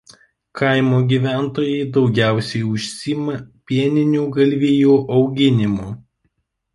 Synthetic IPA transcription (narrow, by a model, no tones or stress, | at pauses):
kʰɐˑɪmoːɡʲiːʋʲæˑnt̪oːjɛɪd̪ɒʊɡʲæˑʊsʲɛɪʊʃʲsʲiːmɐpʲiɛnʲɪnʲuːɡɐlʲʋʲijuːʔɒʊɡʲɪnʲɪmoː